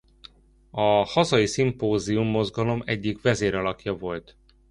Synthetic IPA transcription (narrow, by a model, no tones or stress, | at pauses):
ɒhɒzɒjisimpoːziumːo̞zɡɒlo̞mɛɟːikvɛzeːɾɒlɒkjɒvo̞lt̪